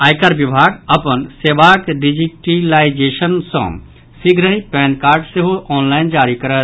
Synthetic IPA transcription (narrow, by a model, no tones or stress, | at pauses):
aːjkaɾbibʱaɡəpənseʋakɖid͡ʒiʈilaid͡ʒeʃənsɔ̰̃ | siɡɾəɦĩpɛːnkaːɾɖseɦoʔɔːnlaːɪnd͡ʒaːɾikəɾət̪